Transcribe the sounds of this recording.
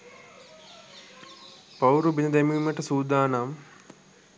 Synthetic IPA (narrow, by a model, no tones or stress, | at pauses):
pɐwɾubinɐd̪emiːməʈəsuːd̪aːnam